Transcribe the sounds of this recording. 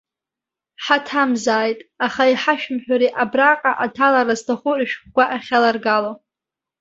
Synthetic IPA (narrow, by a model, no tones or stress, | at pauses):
ħatʰamzaːjtʼaχaiħaʃᶣmħᶣaɾiʔabraqʼaʔatʰalaɾaztʰaχʷʊrɨʃᶣχʷɡʷaʔaχʲalarɡalo